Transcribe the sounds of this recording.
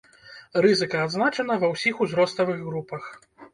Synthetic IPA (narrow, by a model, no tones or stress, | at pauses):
rɨzɨkɐad̪znat͡ʂɐnɐvɐwsʲixuzɾɔst̪ɐvɨɣɣɾupɐx